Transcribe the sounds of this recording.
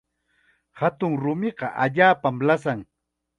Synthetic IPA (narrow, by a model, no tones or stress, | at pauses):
hat̪ʊŋɾʊmɪqɑʔaʎaːpamlasaŋ